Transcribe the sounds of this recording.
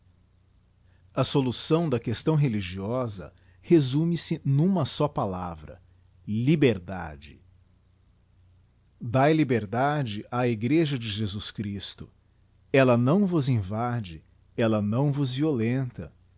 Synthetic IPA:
ɐsolusɐ̃w̃d̪ɐkest̪ɐ̃w̃ɦeliʒiɔzɐ̰ | hezũmɪsɪnũmɐsɔpala̰vɾɐ̰ | libeɾd̪a̰d͡ʒɪ̰ | d̪ajlibeɾd̪ad͡ʒɪʔaiɡɾeʒɐd͡ʒɪʒezuskɾist̪ʊ | ɛlɐnɐ̃w̃vʊzĩvad͡ʒɪ | ɛlɐnɐ̃w̃vʊzviolẽnt̪ɐ̰

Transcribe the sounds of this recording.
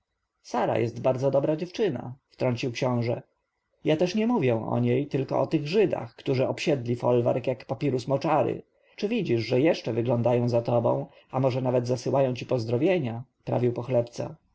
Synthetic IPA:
saɾa̰jɛst̪baɾd̪zɔd̪ɔbɾad͡ʑɛft͡ʂɘna̰ft̪ɾɔɲʲt͡ɕiwkɕɔ̃w̃ʐɛ̰ | jat̪ɛʂɲɛmuvʲjɛ̃ɔ̰ɲejt̪ɘlkɔɔt̪ɘɣʐɘd̪a̰xkt̪uʐɘɔpɕɛd̪lʲifɔlva̰ɾkjakpapʲiɾusmɔt͡ʂaɾɘ̰ | t͡ʂɘvʲid͡ʑiʂʐɛjɛʂt͡ʂɛvɘɡlɔnd̪ajɔ̃w̃zat̪ɔbɔ̰̃w̃ | amɔʐɛnavɛd̪zasɘwajɔ̃w̃t͡ɕipɔzd̪ɾɔvʲjeɲapɾa̰vʲiwpɔxlɛpt̪sɛ̰

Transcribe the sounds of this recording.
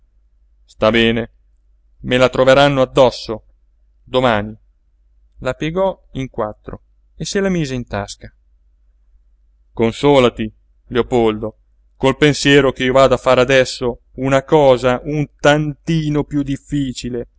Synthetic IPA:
st̪abɛːne | melat̪ɾoveɾanːoad̪ːɔsːo | d̪omaːni | lapjeɡɔ | iŋkwat̪ːɾo | eselamiːzeint̪a̰ska | konsoːlat̪i | leopold̪o | kolpensjɛːɾokeiːovaːd̪oafːaːɾead̪ɛsːo | unakɔːzaʔunt̪ant̪iːnopjud̪ifːiːt͡ʃile

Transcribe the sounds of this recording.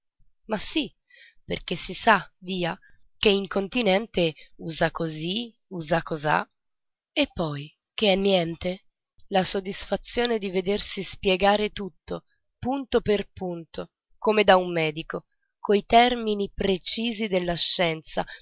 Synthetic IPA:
masi | pḛrk̟esːisaviːa | keiŋkont̪inɛnt̪euːzakozi | uːzakːoza̰ | epːɔj | k̟eɛnːjɛnt̪e | lasod̪ːisfat̪sːjoːned̪ived̪ersispjɛɡaːɾet̪ut̪ːo | punt̪operpunt̪o | komed̪aumːɛːd̪iko | koit̪ɛrminipɾet͡ʃiːzid̪elːaʃːɛnt̪sa̰

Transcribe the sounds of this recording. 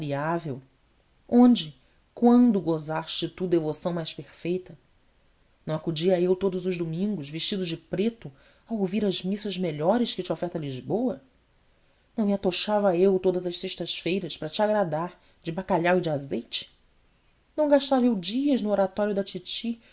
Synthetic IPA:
ɾiavew | õnd͡ʒɪ | kwɐ̃nd̪ʊɡozaʃt͡ʃɪt̪ud̪evosɐ̃w̃majʃpeχfejt̪ɐ | nɐ̃w̃akud͡ʒiɐewt̪od̪ʊzʊʒd̪umĩŋɡʊzviʃt͡ʃid̪ʊd͡ʒɪpɾet̪ʊ | awowviɾɐzmisɐzmeʎɔɾɪʃkɪt͡ʃɪofɛɾt̪ɐliʒbowɐ | nɐ̃w̃miat̪oʃavɐewt̪od̪ɐzɐʃseʃt̪ɐʃfejɾɐʃpɾɐt͡ʃɪaɡɾad̪aɾ | d͡ʒɪbakaʎawɪd͡ʒɪazejt͡ʃɪ̥ | nɐ̃w̃ɡaʃt̪avɐewd͡ʒiɐʒnʊoɾat̪ɔɾjʊd̪ɐt͡ʃit͡ʃi

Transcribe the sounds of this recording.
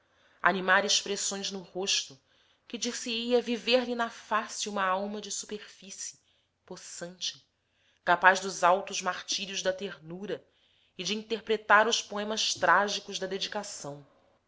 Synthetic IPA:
a̰nimaɾɪʃpɾesõj̃znʊhoʃt̪ʊ | kɪd͡ʒisiiɐviveɾlinɐfasiũmɐawmɐd͡ʒɪsu̥peɾfisɪ | posɐ̃nt͡ʃɪ̥ | kapaʒd̪ʊzawt̪ʊzmaχt͡ʃiɾiʊzd̪ɐt̪eɾnuɾɐ | ɪd͡ʒɪĩnt̪eχpɾet̪aɾʊʃpoẽmɐʃt̪ɾaʒikʊzd̪ɐd̪ed͡ʒikasɐ̃w̃

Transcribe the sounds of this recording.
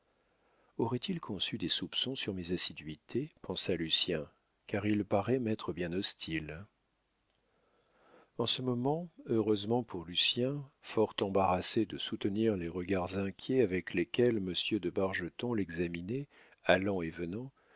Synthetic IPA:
ɔʁɛt̪ʰilkʰɔ̃syd̪esupsɔ̃syʁmezasid̪ɥit̪ʰepɑ̃salysjɛ̃ | kaʁilpaʁɛmɛt̪χəbjɛ̃nɔst̪ʰil | ɑ̃səmɔmɑ̃øʁøzmɑ̃pʰuʁlysjɛ̃fɔʁt̪ɑ̃baʁased̪əsut̪əniʁleʁəɡaʁzɛ̃kʲjɛavɛklekʲɛlməsjød̪əbaʁʒət̪ɔ̃lɛɡzaminɛ | alɑ̃evənɑ̃

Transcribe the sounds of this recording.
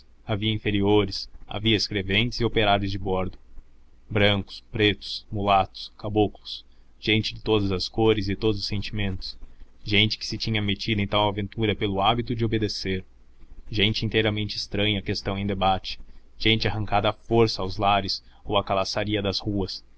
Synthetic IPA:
aviɐĩfeɾioɾɪsa̰viɐɪskɾevẽnt͡ʃɪz̥ɪopeɾaɾjʊzd͡ʒɪbɔɾd̪ʊ | bɾɐ̃ŋkʊ̥spɾet̪ʊ̥smulat̪ʊ̥skabuklʊs | ʒ̥ẽnt͡ʃɪd͡ʒɪt̪od̪ɐzɐskoɾɪzɪt̪od̪ʊzʊsẽnt͡ʃimẽnt̪ʊ̥sʒẽnt͡ʃɪ̥kɪ̥sɪt͡ʃĩɲɐmet͡ʃid̪ʊẽj̃t̪awavẽnt̪uɾɐpelʊabit̪ʊd͡ʒɪobed̪eseɾ | ʒẽnt͡ʃɪĩnt̪ejɾɐmẽnt͡ʃɪst̪ɾɐ̃ɲɐːkest̪ɐ̃w̃ẽj̃d̪ebat͡ʃɪ̥ | ʒ̥ẽnt͡ʃɪaɦɐ̃ŋkad̪ɐːfoɾsɐawzlaɾɪs | owɐkalasaɾiɐd̪ɐzhuɐs

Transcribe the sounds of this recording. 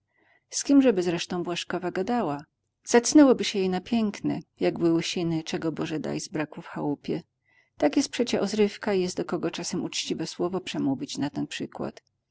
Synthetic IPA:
skʲimʐɛbɘzɾɛʂt̪ɔ̃w̃bwaʂkɔvaɡad̪awa | z̥at̪snɛwɔbɘɕɛjejnapʲjɛŋknɛ̰jaɡbɘwɕinɘt͡ʂɛɡɔbɔʐɛd̪a̰jzbɾakufxawupʲjɛ | t̪akjɛst̪pʂɛt͡ɕɛʔɔzɾɘfkaijɛst̪d̪ɔkɔɡɔt͡ʂasɛmut͡ʂt͡ɕivɛswɔvɔpʂɛmuvʲit͡ɕnat̪ɛnpʂɘkwa̰t̪

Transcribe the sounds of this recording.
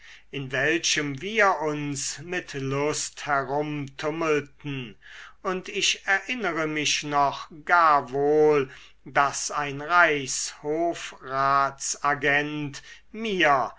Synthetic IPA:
ʔɪnvɛlʃəmviːɐʔʊnsmɪtlʊsthɛʁʊmtʰʊməltn̩ʔʊntɪʃɛɐʔɪnəʁəmɪʃnɔχɡ̥aːɐvoːl | dasaɪnʁaɪshoːfʁaːsaɡɛnt | miːɐ

